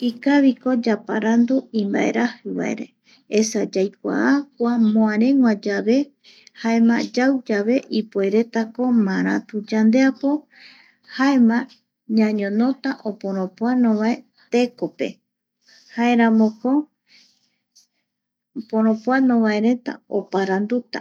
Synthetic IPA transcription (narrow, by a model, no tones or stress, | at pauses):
ikaβiko̞d͡ʒapaɾand̪uĩmba̰ʔe̞̰ɾahɨβa̰ḛɾe̞̰ | esad͡ʒajkʷa̰ʔak̚ʷamõãɾẽ̞ŋwʷãd͡ʒaβe̞ | haemã̰d͡ʒawd͡ʒaβe̞ʔipoeɾe̞t̪ako̞mãɾ̃ã̰t̪ud͡ʒand̪e̞apo̞ | haemã | ɲãɲõnõ̞t̪aʔopõ̞ɾ̃õpoanõβae̞ | t̪e̞ko̞pe̞̰ | haeɾãmõko | põɾ̃õpwanõβaeɾe̞t̪a̰opaɾand̪ut̪a̰